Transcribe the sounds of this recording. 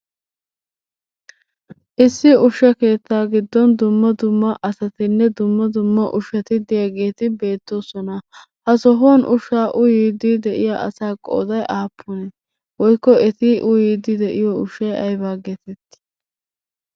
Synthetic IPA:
ʔɪsːɪʊʃːɐke̞ːt̪ːaːɡɪd̪ːɔnd̪ʊmːɐd̪ʊmːɐʔɐsɐt̪ɪnːɛd̪ʊmːɐd̪ʊmːɐʔʊʃɐt̪ɪd̪ɪjaɡe̞ːt̪ɪbe̞ːt̪ːo̞ːsɔnɐ | hɐsɔɦoːnʔʊʃːaːʔʊjiːd̪ːɪd̪ɛʔɪjaːʔɐ̰saːkʼːo̰ːd̪ɐjʔaːpʰːʊnɛ | wɔjkːɔɛt̪ɪʔʊjiːd̪ːɪd̪ɛʔɪjɔʊʃːɐjɐjbaːɡeːt̪ɛt̪ː

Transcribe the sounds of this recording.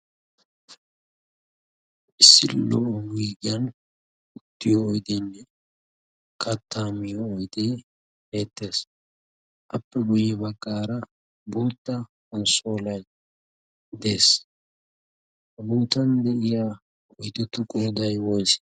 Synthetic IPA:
ʔɪsːɪlːoːwiːɡɪjɐn | ʊt̪ːɪjoːjd̪enːɛ | kʰɐt̪ʰːaːmɪjoːjd̪eː | heːt̪ːe̞ːs | ʔɐpːɛɡʊjɪbɐkʼːaːɾɐ | buːt̪ːɐ | hɐnsoːlɐj | d̪e̞ːs | hɐbuːt̪ɐnd̪ɛʔɪjaː | ɔjt̪ːɛt̪ːʊkʼoːd̪ɐjwɔjs

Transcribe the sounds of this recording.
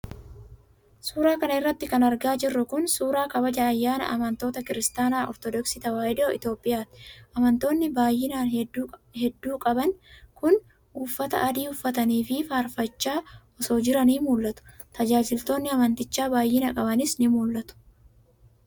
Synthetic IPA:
suːɾaːkɐnɐɪrːɐt̪ːɪkɐnɐɾɡaːd͡ʒɪrːʊkʊnsuːɾaːkɐbɐd͡ʒaɐjːaːnɐ̰ʔɐ̰mɐnt̪o̞ːt̪ɐkɪɾɪst̪aːnaːʔɔ̰ɾt̪ɔd̪ɔksɪt̪ɐwaːjɪd̪oɪ̰t̪jo̞ːpʼːɪjaːt̪ɪ̥ʔɐmɐnt̪o̞ːnːɪbaːjːɪnaːnhɛd̪ːuːkʼɐbɐnkʊn | uːfːɐt̪ɐ̰ʔɐd̪iːʊfːɐt̪ɐniːfɪfaːɾfɐt͡ʃːaːʔɔso̞ːd͡ʒɪɾɐniːmuːlːɐt̪ʊ̥ | t̪ɐd͡ʒaːd͡ʒɪlt̪o̞ːnːɪɐmɐnt̪ɪt͡ʃːaːbaːjːɪnɐkʼɐbɐnɪsnɪmuːlːɐt̪ʊ̥

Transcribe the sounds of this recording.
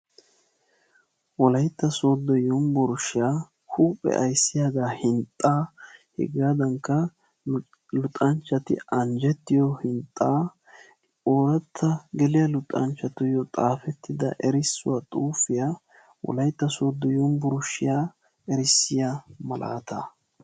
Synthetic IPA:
wɔlɐjt̪ːɐsoːd̪ːɔjʊmbɔɾʊʃɪjaː | huːpʼɛ̰ʔɐjsːɪjaːɡ̪aːhɪnt̪ʼːaːhɛ̰ɡaːd̪ɐŋkːɐ | lʊt̪ʼːɐnt͡ʃːɐt̪ɪ̰ʔɐnd͡ʒɛt̪ːɪjɔhɪnt̪ʼːaː | oːɾɐt̪ʰːɐɡɛlɪjɐlʊt̪ʼːɐnt͡ʃːɐt̪ʊjɔt̪ʼaːfɛt̪ːɪd̪ɐ̰ʔɛɾɪsːʊwaːt̪ʼuːfɪja | wɔ̰lɐjt̪ːɐsoːd̪ːɔjʊmbɔɾʊʃɪjaː | ɛɾɪsːɪjamɐlʔa̰ːt̪ɐ̰

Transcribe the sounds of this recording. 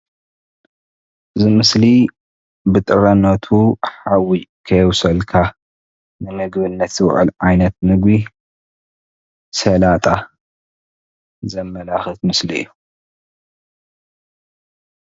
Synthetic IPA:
ʔɨzimɨsli | bɨt̪ʼɨɾɐnːɐt̪ʰuħawikʰɐjwsɐlkʰa | nɨmɨɡbɨnːɐt̪z̥ɨwʕɨ̰lʕajnɐt̪̚nɨɡbi | sɐlat̪ʼa | zɐmːɐlaxɨt̪mɨsliḭjːu

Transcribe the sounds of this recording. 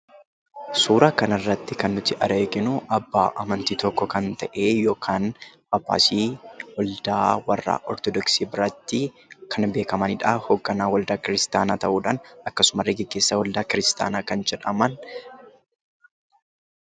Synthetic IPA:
suːɾakɐnɪrːɐt̪ːɪkɐnːʊt̪ːɪʔɐɾeːɡɪnʊʔɐbːa̰ːʔɐmɐnt̪iːt̪ɔkːɔkɐnt̪ɐʔeːjoːkʰaːnʔɐbːa̰ːsiːwɔld̪aːwɐrːa̰ːʔɔɾt̪ɔd̪ɔksiːbɪɾɐt̪ːɪ | kʰɐnbe̞ːkɐmɐnɪᶑaːhoɡːɐnaːwɐld̪aːkɪɾɪst̪aːnaːt̪ɐʔuːᶑaːnɐkːɐsʊmɐrːɛɡɪɡ̥ːe̞ːsːɐwɔld̪aːkɪɾɪst̪a̰ːnaːkɐnd͡ʒɛᶑɐmɐn

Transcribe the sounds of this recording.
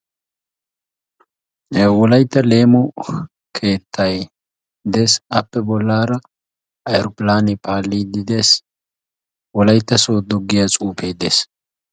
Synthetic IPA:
wɔlɐjt̪ːɐle̞ːmɔ | kʰe̞ːt̪ʰːɐj | d̪eːsɐpːɛbɔlːaːɾɐ | ɐjɛɾʊpɪlaːnɛpʰaːlːiːd̪ɪd̪e̞ːs | wɔlɐjt̪ːɐsoːd̪ɔɡːɪjat͡sʼuːpʰe̞ːd̪eːs

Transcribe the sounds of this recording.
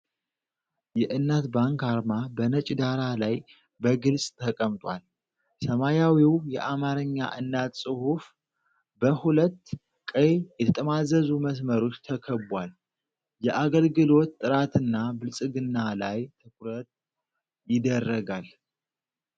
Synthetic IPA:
jɛʔɨnːat̪baŋkaɾmabənət͡ʃʼd̪aɾalaj | bəɡɨlsʼt̪ʰəkʼəmt̪ʼwʷa̰l | səmajawiwjɛ̰ʔamaɾɨɲːa̰ʔɨnːat̪sʼɨhuf | bəhulət̪ː | kʼəjjɛt̪ʰət̪ʼəmazəzuməs̬məɾo̞t͡ʃːt̪ʰəkʰəbwal | jɛʔaɡəlɡɨlo̞t̪ːʼɨɾat̪ʰɨnːabɨlsʼɨɡɨnːalajt̪ʰɨkʰɾət̪ | jɪd̪ərːəɡal

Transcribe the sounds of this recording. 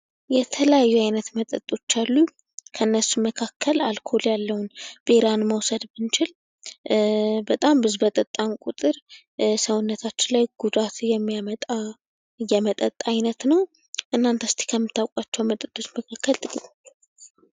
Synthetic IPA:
jɛt̪ʰələjajːuajnət̪mət̪ʼə̰t̪ʼːo̞t͡ʃːalːu | kʰəɨnːəsːuməkʰakʰːəlalkʰo̞ljalːəwʊnb̥eɾanməwsəd̪bɨnt͡ʃɪl | bət̪ʼambɨzbət̪ʼət̪ʼːankʼut̪ʼɨɾ | səwʊnːət̪ʰat͡ʃːɪnlajɡ̥ud̪at̪jɛmːijamət̪ʼa | jɛmət̪ʼət̪ʼːajnət̪nəw | ʔɨnːant̪ʰəst̪ʰi̥kʰəmːɨt̪ʰːawkʼwat͡ʃːɛwmət̪ʼət̪ʼːo̞t͡ʃməkʰakːəlt̪ʼɨkʼit̪ʼo

